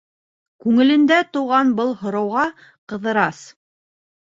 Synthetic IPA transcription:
kʉŋɘ̆lɘ̆nd̪æt̪ŭwʁɑnbɤlˠhŏɾɑwʁɑ | qɤ̆ðɤ̆ɾɑs

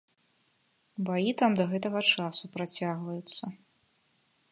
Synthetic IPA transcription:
bajit̪amd̪ɐɣɛt̪ɐɣɐt͡ʂasupɾat͡sʲaɣvɐjut̪sːɐ

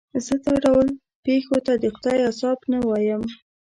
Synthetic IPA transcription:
zət̪əɖawəl | pexot̪ad̪əxʊd̪ɑjasɑbnawɑjəm

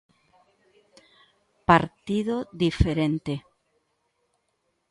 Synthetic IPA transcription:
paɾt̪iðoðifeɾent̪e

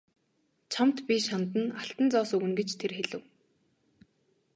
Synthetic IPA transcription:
t͡ɕʰamt̪pʲiʃant̪ə̆naɬt̪ə̆nt͡sɔːsɵɣɘ̆nɡet͡ɕt̪ʰerxeɮɘ̆w

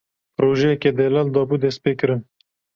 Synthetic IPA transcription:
pɾoʒeked̪elald̪ɔːbud̪espekɾən

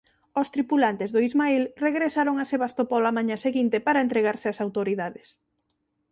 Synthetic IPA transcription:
ost̪ɾipulant̪ɪzðoizmailreɣɾesaɾoŋaseβast̪opɔlamãɲaseɣint̪epaɾaent̪ɾeɣaɾsɪasawt̪oɾiðaðes

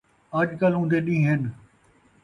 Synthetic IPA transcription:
ɐʄkəlũːnd̪eɗĩːɦɪn

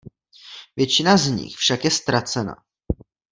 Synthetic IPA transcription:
vjɛt͡ʃɪnazɲɪ̰xfʃakjɛst̪ɾat͡sɛna̰

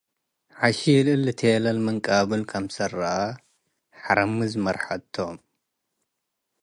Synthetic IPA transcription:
ħaʃijɪlʔɨlːɨt̪ʰelɐlmɐŋkʼaβɨlkʰɐmsɐrɐʔa | ħaɾɐmɨzmɐɾħat̪ʰːom

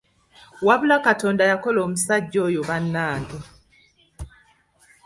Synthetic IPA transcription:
waβulakatoːndajakoloːmusaɟːoːjoβanːaːndo

